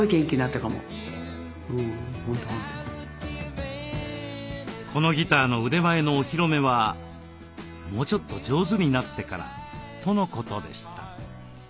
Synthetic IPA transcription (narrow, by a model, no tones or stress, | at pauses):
ikẽŋkʲiɲinat̪ːakamo̰ | ɯ̃ːhõnt̪oɦõnt̪o | kʰo̞no̞ɡʲit̪aːno̞ɯ̟d̪e̞mae̞no̞ːçiɾo̞me̞βa | mo̞ːt͡ɕo̞t̪ːo̞d͡ʑo̞ːzɨɲ̟inat̪ːe̞kaɾa̰t̪o̞no̞ko̞t̪o̞d̪e̞̰ɕi̥t̪ḁ̰